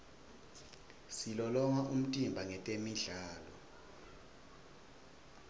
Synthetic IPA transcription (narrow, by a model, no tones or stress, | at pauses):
silɔlɔŋaʔum̩tʼimbʱaŋɛtʼemiɮaːlɔ